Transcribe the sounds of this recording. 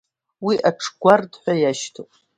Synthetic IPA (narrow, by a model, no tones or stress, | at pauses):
wiʔaʈ͡ʂʰɡʷardħᶣʷajaʃtʰopʼ